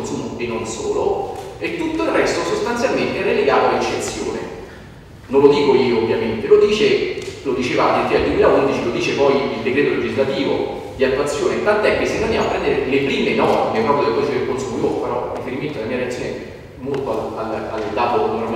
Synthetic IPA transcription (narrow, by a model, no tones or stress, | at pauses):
onsumoenonsoːloet̪ːut̪ːoilrɛst̪osost̪ansjalment̪eɛɾeleɡaːt̪oalet͡ʃːet̪sːjo̰ːnḛ | nonlod̪iːkoiːoːvːjament̪elod̪iːt͡ʃelod̪it͡ʃeːvad̪et̪ːiald̪wemiːlaund̪it͡ʃilod̪iːt͡ʃepɔjild̪ekɾeːt̪oled͡ʒizlat̪iːvo | d̪iat̪ːwat̪sːjoːnet̪ant̪oɛkːesːiand̪amapːɾɛnd̪eɾelepɾiːmenɔmekap̪ːod̪ekɔsekelkonsumoiopeɾɔrifeɾiment̪od̪elamiːaɾeat̪ːjoːne | molt̪oalalald̪aːt̪onorm